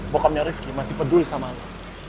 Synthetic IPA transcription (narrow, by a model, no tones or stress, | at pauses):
bokamɲaɾifkimasihpədulisamala